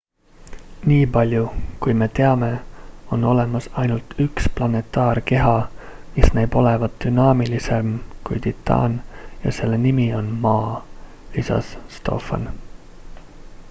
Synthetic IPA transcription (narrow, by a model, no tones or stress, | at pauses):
niːpɑlʲjukujme̞t̪e̞ɑme̞o̞no̞le̞mɑsɑjnult̪ʰyksplɑne̞t̪ˑːɑːrke̞ɦɑmisneːb̥o̞le̞vɑd̪̚d̪̥ynɑːmilise̞mkujt̪it̪ʰːˑɑ̰ːnjɑ̰se̞lːe̞nimio̞nmɑː | lisɑ̰sːt̪o̞̰ːfɑ̰n